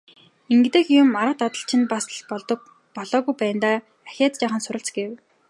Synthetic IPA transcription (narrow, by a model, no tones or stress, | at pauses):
iŋɡt̪ĕːxjʊmaɾə̆t̪at̪ə̆ɬt͡ɕʰɪ̆npasɮpɔɮt̪ɞ̆k̚ | pɔɮɔːɣujpæːnt̪aː | axʲaːt͡s̪t͡ɕaːχə̆nsʊɾə̆ɬt͡sɡew